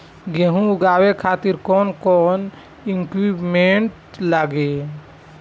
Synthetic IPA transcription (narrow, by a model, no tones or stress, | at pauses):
ɡeɦũɡaːwekʰaːt̪iɾkɔːnkɔːn | iŋkwipmeɳʈ | laːɡe